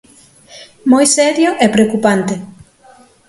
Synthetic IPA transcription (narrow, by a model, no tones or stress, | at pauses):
mojsɛɾjoʔɛpɾeokupant̪e